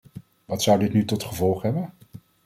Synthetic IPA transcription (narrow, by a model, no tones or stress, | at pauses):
ʋɑtsʌwdɪtnytɔtχəvɔlˠχɦɛbən